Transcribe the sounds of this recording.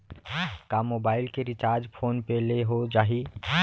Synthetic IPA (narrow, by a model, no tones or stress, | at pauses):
kamobaːɪlkeɾit͡ʃaːɾd͡ʒpʰoːnpeleɦod͡ʒaːɦi